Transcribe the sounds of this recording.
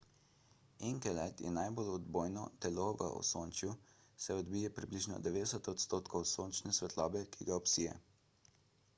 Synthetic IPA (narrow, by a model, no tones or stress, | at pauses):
ɛŋkɛlat̪jɛ̰najbolɔd̪boːjnɔt̪ɛloʋə̰ʔɔ̰soːnt͡ʃju | sɛɔd̪bijɛpɾibliʒnɔ̰d̪ɛʋeːd̪ɛsɛt̪ɔt̪st̪oːt̪kʰɔwsoːnt͡ʃnɛsʋɛt̪lɔːbɛkʰiɡaɔpsiːjɛ̰